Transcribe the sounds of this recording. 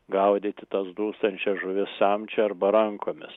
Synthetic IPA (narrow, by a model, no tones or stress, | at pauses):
ɡɐʊd̪ʲɪt̪ʲɪt̪ɐsd̪uːst̪ɐnʲt͡ʃʲɛsʒʊʋʲɪssɛmʲt͡ʃʲɛɐɾbɐɾɐŋkoːmʲɪ̰s